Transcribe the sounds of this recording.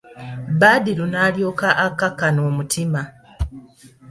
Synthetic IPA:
baːdilunaːljoːkaʔakːakːanoːmutʰima

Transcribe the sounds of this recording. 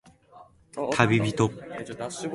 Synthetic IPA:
kʰabibit̪op̚

